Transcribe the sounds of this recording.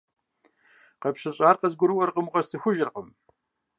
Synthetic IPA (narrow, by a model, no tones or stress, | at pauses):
qɐpɕɐɕʼaːrqɐzɡʷʊɾɨwɐrqəmqɐstʰɨxʷʊʒɪrqʼəm